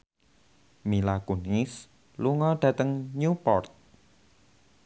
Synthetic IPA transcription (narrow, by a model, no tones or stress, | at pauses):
milakunis | luŋɔɖ̥ä̤t̪əŋɲupɔrt̪̚